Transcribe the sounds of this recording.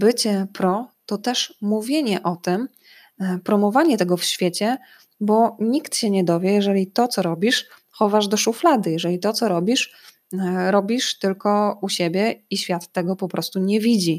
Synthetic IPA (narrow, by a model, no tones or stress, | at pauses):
bɘt͡ɕɛpɾɔt̪ɔt̪ɛʂmuvʲjeɲɛʔɔt̪ɘm | pɾɔmɔvaɲɛt̪ɛɡɔfɕfʲjet͡ɕɛ | bɔɲikt̪ɕɛɲɛd̪ɔvʲjɛjɛʐɛlʲit̪ɔt̪sɔɾɔbʲiʂ | xɔvaʐd̪ɔʂuflad̪ɘjɛʐɛlʲit̪ɔt̪sɔɾɔbʲiʂ | ɾɔbʲiʂt̪ɘlkɔuɕebʲjɛiɕfʲjat̪ːɛɡɔpɔpɾʔɔst̪uɲɛvʲid͡ʑi